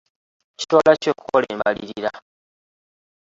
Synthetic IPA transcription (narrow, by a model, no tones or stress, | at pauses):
ci̥twaːlaco̞ːku̥ko̞le̞̰ːmbalḭɾiɾa